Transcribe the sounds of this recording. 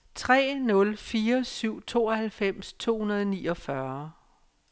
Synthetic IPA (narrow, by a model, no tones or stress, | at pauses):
t͡sʰʁɛ̰ːnɔ̽lfiːɐsyʊ̰t͡sʰo̝ːɒhælfem̰st͡sʰo̝̰ːhunɐð̞ˠɒniːɒ̽fɶɐ